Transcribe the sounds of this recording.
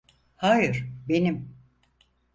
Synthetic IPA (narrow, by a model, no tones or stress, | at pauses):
haːjɯɾ̥benim